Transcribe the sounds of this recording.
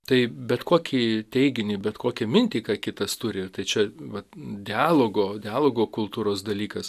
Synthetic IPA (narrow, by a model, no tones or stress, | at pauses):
t̪ɐɪbʲɛt̪koːkʲʰiːt̪ʲɛɪɡʲɪnʲiːbʲɛt̪koːkʲɛmʲɪnʲt̪ʲiːkɑːkʲɪt̪ɐst̪ʊɾʲɪt̪ɐɪt͡ʃʲɛʋɐt̪d̪ʲɪɑːlˠoːɡoːd̪ʲɪɑːlˠoːɡoːkʊlˠt̪uːɾoːsd̪ɐlʲiːkɐs